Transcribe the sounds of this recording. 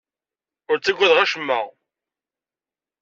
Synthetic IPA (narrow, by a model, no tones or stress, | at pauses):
ʊɾt͡sːæɡʷæðʁæʃəmːə̰ʁ